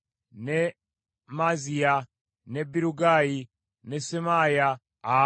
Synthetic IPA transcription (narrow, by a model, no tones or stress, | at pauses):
ne | mazia | nebiɾuɡaji | nesemajaː